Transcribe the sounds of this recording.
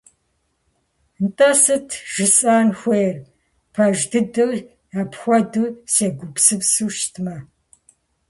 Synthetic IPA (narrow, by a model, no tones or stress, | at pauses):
ntʼɐsɨtʰʒ̥ɨsʼaːnxʷejr | pʰɐʒdɨdɨr | apxʷɔdɨseːɡʷʊpsɨpsuːʃtʰmɐ